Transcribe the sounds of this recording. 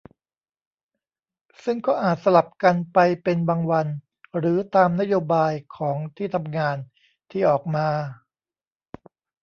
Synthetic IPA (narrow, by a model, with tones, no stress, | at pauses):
sɯ˥˩ŋkɔː˥˩ʔaː˨˩t̪̚sa˧la˨˩p̚ka˧npa˧jpe˧nbaː˧ŋwa˧n | ɾɯː˩˦t̪aː˧mna˦˥joː˧baː˧jkʰɔː˩˦ŋt̪ʰiː˥˩t̪ʰa˧mŋaː˧n | t̪ʰiː˥˩ʔɔː˨˩k̚maː˧